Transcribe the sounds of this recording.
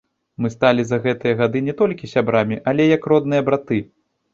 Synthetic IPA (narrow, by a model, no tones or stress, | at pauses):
mɨst̪alʲizɐɣɛt̪ɨjɐɣad̪ɨnʲɛt̪ɔlʲkʲisʲabɾamʲiʔɐlʲɛjɐkɾɔd̪̚nɨjɐbɾat̪ɨ